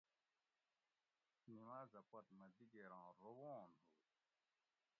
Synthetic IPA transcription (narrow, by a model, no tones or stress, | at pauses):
nimaːzɐpɐt̪mɐd̪iɡeɾãːɾowõːnɦuːt̪̚